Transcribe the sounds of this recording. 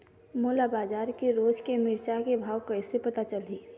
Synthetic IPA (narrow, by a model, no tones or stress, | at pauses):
moːlabaːd͡ʒaːɾkeɾoːd͡ʒkemɪɾt͡ʃakebʱaːwkɐɪsepɐt̪at͡ʃəliː